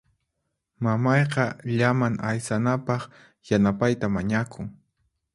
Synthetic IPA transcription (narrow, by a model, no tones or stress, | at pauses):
mamɑjqɑʎamaŋajsanapɑχ | janapajt̪amaɲakʰʊŋ